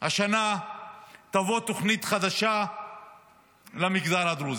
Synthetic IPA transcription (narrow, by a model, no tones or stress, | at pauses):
haʃana | t̪avot̪oχnit̪χad̪aʃa | lamikd̪alad̪ɾuz